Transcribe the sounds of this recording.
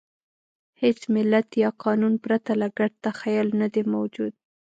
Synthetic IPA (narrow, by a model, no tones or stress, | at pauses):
het͡smɪlːat̪jɑqɑnunpɾat̪alaɡaɽ̚t̪axajɑlnad̪emawd͡ʒud̪̚